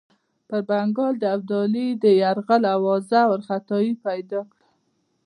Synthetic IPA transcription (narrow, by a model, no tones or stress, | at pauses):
pəɾbaŋɡɑld̪əab̚d̪ɑlid̪əjaɾɣalawɑzawəɾxat̪ɑjipajd̪ɑkɽa